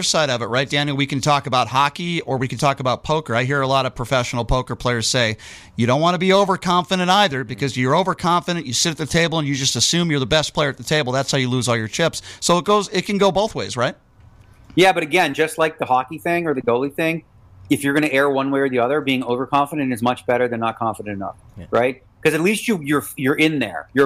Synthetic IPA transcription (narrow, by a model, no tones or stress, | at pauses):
saɪɾʌvɨt̚ɹaɪt̚d̥æ̃njl̩ˠwikɨ̃ntʰɔkəbaʊt̚hɑkiə˞wikn̩tʰɔkəbaʊt̚pʰoʊkə˞aɪɦiɹəlɑɾʌ̥pʰɹ̥ɨfɛʃn̩l̩ˠpʰoʊkə˞pʰl̥eɪə˞z̥seɪ | jɨɾõʊ̃nʔwɑ̃nəbioʊvə˞kʰɑ̃ɱfɨɾɨ̃ntaɪðə˞bɨkʰʌzjjə˞oʊvə˞kʰɑ̃ɱfɨɾɨ̃nt͡ʃjɨsɪɾɨt̪̚ðɨtʰeɪbl̩ˠə̃njɨd͡ʒʌstɨsʉ̃mjə˞ðəbɛspʰl̥eɪ˞ɨt̪̚ðətʰeɪbl̩ˠðætshaʊjɨluzɔlˠjə˞t͡ʃʰɪpssoʊət̚ɡ̥oʊzɪt̚kʰɨ̃n̩ɡoʊboʊθweɪzɹaɪt̚ | jæbʌɾɨɡɛ̃nd͡ʒʌstˡlaɪk̚ðəhɑkiθɪ̃ŋə˞ðɨɡoʊlˠiθɪ̃ŋ | ɨfjə˞ɡʌñɨʔɛɹwʌ̃nweɪə˞ðiʌðə˞biɪ̃ŋoʊvə˞kʰɑ̃ɱfəɾɨ̃nɨtzmʌt͡ʃb̥ɛɾə˞ðɨ̃nːət̚kʰɑ̃ɱfəɾɨ̃ntɨnʌ̰fɹaɪt̚ | kʰʌzɨtˡlist͡ʃɨjə˞jə˞ʔɪ̃nðə̰˞jə˞